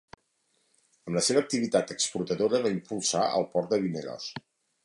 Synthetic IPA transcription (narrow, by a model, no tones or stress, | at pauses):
əmləseβəːk̚t̪iβit̪at̪əksput̪əðoɾəβaimpulˠsaə̰lˠpɔɾt̪d̪əβinəɾɔ̰s